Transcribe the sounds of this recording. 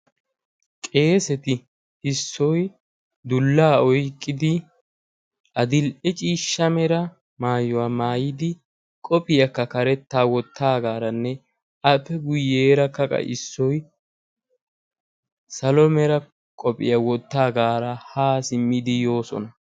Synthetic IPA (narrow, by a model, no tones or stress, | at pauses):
kʼe̞ːsɛt̪ɪ | ɪsːɔj | d̪ʊlːaːɔjkʼːɪd̪ɪ | ʔɐd̪ɪlʔɛt͡ʃʼiːʃːɐmɛɾɐ | maːjɔwaːmaːjɪd̪ɪ | kʼɔpʼɪjɐkːɐkɐɾɛt̪ːaːwɔt̪ːaːɡaːɾɐnːɛ | ɐpːɛɡʊjːeːɾɐkːɐkʼɐ̰ʔɪ̰sːɔj | sɐlɔmɛɾɐ | kʼɔpʼɪ̰jɐwɔt̪ːaːɡaːɾɐhaːsɪmːɪd̪ɪjo̞ːsɔ̰nɐ